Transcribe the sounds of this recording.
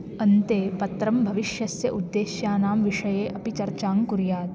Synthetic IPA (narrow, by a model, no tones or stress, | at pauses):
ɐnt̪eːpɐt̪ɾɐmbʱɐʋiʃjɐsjɐʔud̪ːeːʃjaːnaːmʋiʂɐjeːʔɐpit͡ʃɐɾt͡ʃaːŋkuɾjaːt̪